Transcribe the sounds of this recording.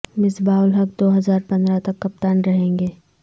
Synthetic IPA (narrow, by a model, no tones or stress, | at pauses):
mɪsbaːʊlɦɐk̚d̪oːɦɐzaːɾpɐ̃nd̪ɾat̪ɐkːɐp̚t̪aːnɾɐɦẽːŋɡeː